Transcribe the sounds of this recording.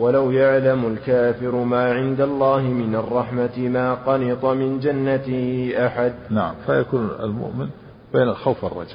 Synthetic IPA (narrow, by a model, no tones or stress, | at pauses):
walawjaʕlamʊlkaːfɪɾmaːʕɪnd̪alˤːɑːɦɪmɪnɑrˤːɑħmat̪ɪmaːqɑnɪt̪ˤɑmɪnd͡ʒanːat̪ɪhɪʔaħad̪̚naʕa̰mfajakuːna̰lmʊ̰ʔmɪn | b̥eːnalxawfarˤːɑ̰d͡ʒa